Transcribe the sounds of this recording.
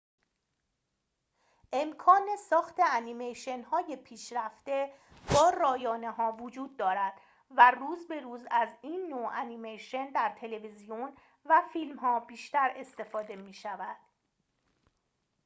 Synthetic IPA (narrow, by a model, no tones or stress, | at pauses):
ʔe̞mkʰɒːne̞sɒːxt̪ʰe̞ænimejʃe̞nhɒːje̞pʰiːʃɾæft̪e̞ | bɒːrɒːjɒːne̞ɦɒːvod͡ʒuːd̪̚ːɒːɾæd̪̥ | væruːzbe̞ɾuːzæziːnːoænimejʃe̞nd̪æɾt̪ʰe̞le̞vizijon | væfiːlmɦɒːbiːʃt̪æɾe̞st̪e̞fɒːd̪e̞miːʃævæd̪̥